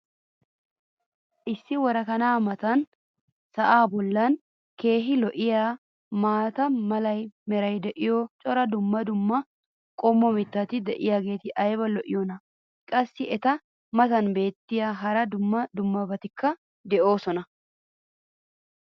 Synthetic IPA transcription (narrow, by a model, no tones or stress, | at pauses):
ʔɪsːɪwɔɾɐkɐnaːmɐt̪ɐn | sɐʔaːbɔlːɐn | ke̞ːɦɪlɔʔɪjaː | maːt̪ɐmɐlɐjmɛɾɐjd̪ɛʔɪjɔt͡ʃʼɔɾɐd̪ʊmːɐd̪ʊmːɐ | kʼɔmːɔmɪt̪ːɐt̪ɪd̪ɛʔɪjaːɡe̞ːt̪ɪʔɐjbɐlɔʔɪjɔnɐ | kʼɐsːɪɛt̪ɐ | mɐt̪ɐnbe̞ːt̪ːɪjaːɦɐɾɐd̪ʊmːɐd̪ʊmːɐbɐt̪ɪkːɐ | d̪ɛʔo̞ːsɔnɐ